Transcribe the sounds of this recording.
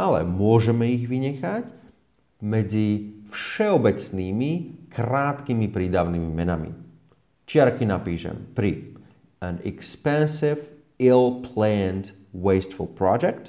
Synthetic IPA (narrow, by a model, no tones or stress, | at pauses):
alɛ̰mʊɔʒɛmɛiɣʋiɲɛxac | mɛd͡zifʃɛɔbɛt͡sniːmikɾaːt̪kimipɾiːd̪aʋniːmimɛnamḭ | t͡ʃɪaɾkinapiːʃɛ̰mpɾi | anɛ̰kspɛnsiv | ilpʰlɛnt̪ | wɛɪst̪fṵlpɾɔd͡ʒɛkt̪